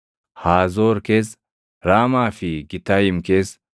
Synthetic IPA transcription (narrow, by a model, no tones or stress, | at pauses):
haːzoːɾkes | ɾaːmaːfɪɡɪt̪ajɪmkes